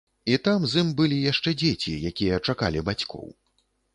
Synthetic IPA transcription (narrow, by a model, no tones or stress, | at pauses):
it̪amzimbɨlʲijaʂt͡ʂɛd͡zʲet͡sʲijakʲijɐt͡ʂaka̰lʲibat͡sʲkʰɔ̰w